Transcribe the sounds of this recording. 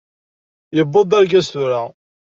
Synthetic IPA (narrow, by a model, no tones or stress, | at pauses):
jəbːod̪ˤæɾɡæsθʊɾa